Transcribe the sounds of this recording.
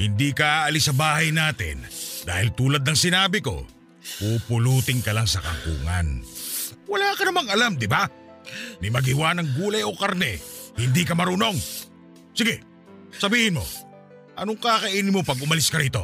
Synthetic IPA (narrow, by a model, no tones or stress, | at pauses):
hɪnd̪ikɐʔaːʔɐlɪsɐbaːhɐjnaːt̪ɪ̰nd̪a̰ːhɪlt̪uːlɐd̪̚nɐŋsɪnaːbɪko̞̰ | pupʊluːt̪ɪŋkɐlaŋsɐkɐ̰kṵːŋa̰n | wɐlaːkɐnɐmaŋɐlamd̪ɪba | nɪmɐɡɪwanɐŋɡuːlɐjo̞kaɾnɛhɪnd̪ikɐmɐɾuno̞ŋ | sɪɡɛ | sɐbiːhɪnmo̞̰ | ʔɐnoŋkaːkɐʔiːnɪmopɐɡʊmɐlɪskɐɾiːt̪o̞̰